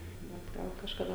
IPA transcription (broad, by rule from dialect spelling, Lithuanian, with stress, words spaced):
ˈbʲɛt ˈɡɐlˠ kɐʃkɐˈdɐ